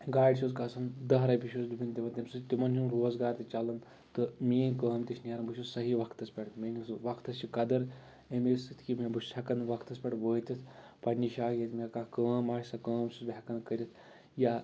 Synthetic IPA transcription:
ɡaːɖʲsuzkasɐnd̪ɐɦɾɐbʲiʃusd̪ubʲint̪ʲiʋɐnt̪ʲɐmsɨt̪t̪ʲimɐnt͡ʃʰunɾoːzɡaːɾt̪it͡ʃalɐn | t̪ɨmiːnkəːmt̪iʃnʲaːɾɐmbuʃʲusɐɦiʋɐkʰt̪ɐspʲɛʈ̪mʲinʲisʋɐkʰt̪ɐst͡ʃʰikɐd̪ɐɾ | emisɨt̪ʰkimʲebu̥ɐkɐnʋɐkʰt̪ɐspʲɐʈʋəːt̪ʲit̪ʰpɐnʲːiʃaːkʲjɐt̪mʲekakəːmaːʃʲsɐkəːmsusbʱʲakɐnkɐɾʲit̪ʰ | ja

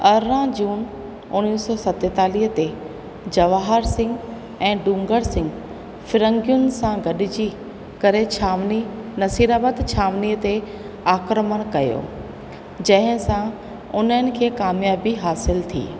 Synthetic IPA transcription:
ɐɾɾãd͡ʑuːn | ʊnisɔːsɐt̪et̪aːliːɦət̪e | d͡ʑɐʋaɦəɾsɪ̃ŋɡ | ɛ̃ːɖũːŋɡəɽsɪ̃ŋɡ | fɪɾə̃ŋɡjʊnsãɡɐɗɪd͡ʑi | kɐɾet͡ɕʰaʋninɐsiːɾaːbət̪t͡ɕʰaːʋniət̪e | aːkɾəməɽ̃kɐjo̰ː | d͡ʑɐ̃ɦɪ̃sã | ʊnəənɪ̆kʰeːkaːmjaːbiɦaːsɪlt̪ʰḭː

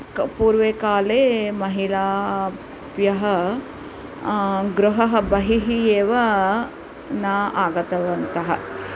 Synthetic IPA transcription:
kpuːɾʋeːkaːleːmɐɦilaː | bjɐɦɐ | ɡɾuɦɐɦɐ̆bɐɦiɦijeːʋɐ | naːʔaːɡɐt̪ɐʋɐnt̪ɐɦɐ̰

